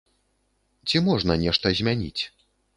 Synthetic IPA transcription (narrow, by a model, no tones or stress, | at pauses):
t͡sʲimɔʐnɐnʲɛʂt̪ɐzʲmʲanʲḭt͡sʲ